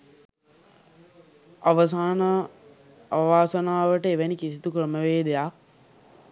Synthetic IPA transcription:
aʋəs̬aːnə | ʋaːsənaːʋəʈəeʋænikisit̪ukɾəməʋeːd̪ejak̚

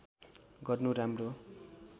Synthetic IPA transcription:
ɡʌrnuɾamro

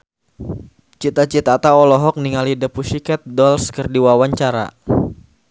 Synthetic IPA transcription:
t͡ʃit̪at͡ʃit̪at̪aɔlɔɦɔk̚niŋalidəpuʃikɛt̪̚dɔlskərdiwawaɲt͡ʃaɾa̰

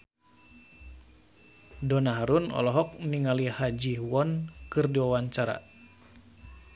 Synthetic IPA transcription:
dɔnaɦaɾunɔ̰lɔɦɔk̚niŋalihad͡ʒiwɔnkɨrdiwawaɲt͡ʃaɾa̰

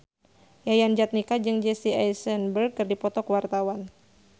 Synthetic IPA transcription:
jajand͡ʒat̪̚nikad͡ʒɨŋd͡ʒesiajsɛnbərɡ̚kɨrdipɔt̪ɔkwart̪awan

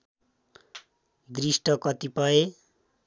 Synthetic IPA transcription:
d̪risʈʌkʌt̪ipʌe

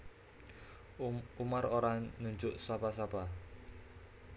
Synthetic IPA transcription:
umaroɾanuɲd͡ʒʊʔsapasapa

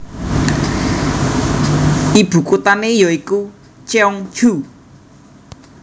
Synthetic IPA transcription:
ib̥ṳkut̪anejɔiku | t͡ʃeɔŋ̥ʒ̥u

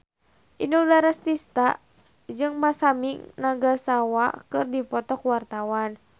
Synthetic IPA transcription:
ʔinulaɾast̪ist̪a | d͡ʒɨŋmasamiŋnaɡasawakɨrdipɔt̪ɔkwart̪awan

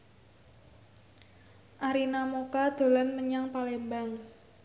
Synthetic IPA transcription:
ʔaɾinamokad̪̥o̤lanməɲaŋpalembaŋ

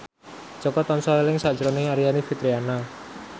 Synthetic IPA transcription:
d͡ʒɔkɔt̪ɔnsɔelɪŋsad͡ʒəɾonɪŋaɾianifit̪ɾiana

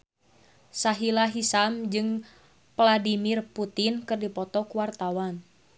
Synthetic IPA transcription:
saɦilaɦisamd͡ʒɨŋ | pladimirput̪inkɨrdipɔt̪ɔkuwart̪awan

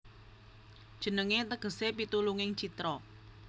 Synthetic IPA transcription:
d̥ʒ̥ə̤nəŋet̪əɡ̥ə̤sepit̪uluŋɪŋt͡ʃit̪ɾɔ

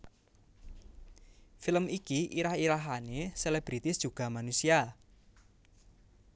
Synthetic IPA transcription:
filəmikiʔiɾahiɾaɦaneseleb̥ɾit̪ɪsd̥ʒ̥ṳɡ̥ä̤manusia

